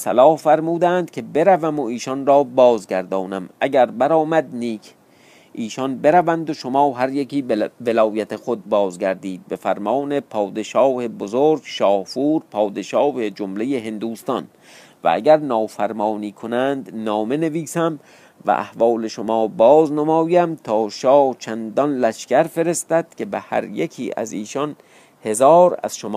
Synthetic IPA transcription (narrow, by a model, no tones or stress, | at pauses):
sælɒːhfæɾmuːd̪ænd̪̥̚kʲʰe̞be̞ɾævæmoiːʃɒnɾɒːbɒːzɡæɾd̪ɒːnæmʔæɡæɾbæɾɒːmæd̪̚niːkʰ | ʔiːʃɒnbe̞ɾævænd̪oʃomɒːɦæɾjekiːve̞lɒːjæt̪ʰexod̪̚bɒːzɡæɾd̪iːd̪̚be̞fæɾmɒːne̞pʰɒːd̪e̞ʃɒːhebozoɾɡ̥ʃɒːhfuːɾpʰɒːd̪e̞ʃɒːhed͡ʒomle̞jeɦe̞nd̪uːst̪ɒ̰n | væ̰ʔæ̰ɡæɾnɒːfæɾmɒːniːkʰo̞nænd̪nɒːme̞ne̞viːsæm | væ̰ʔæ̰hvɒːle̞ʃomɒːbɒːznomɒːjæmt̪ʰɒːʃɒːt͡ʃʰænd̪ɒnlæʃkæɾfe̞ɾe̞st̪æd̪̥̚kʰe̞behæ̰ɾjekʰḭːʔæ̰ziːʃɒn | he̞zɒːɾæ̰z̥ʃomː